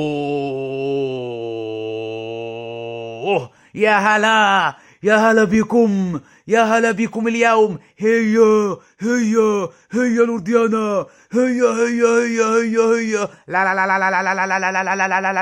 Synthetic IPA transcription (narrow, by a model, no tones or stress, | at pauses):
jaɦala | jaɦalabikum | jaɦalabikumilijaum | hejə | hejə | hejaluɾd̪ijana | hejaɦejəɦejaɦejəɦejalalalalalalalalalalalalalalala